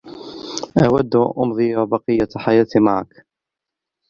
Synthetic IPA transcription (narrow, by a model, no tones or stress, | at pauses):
ʔawad̪ːʔʊmðˤijabɑqɨjːaħajaːt̪ima̰ʕa̰k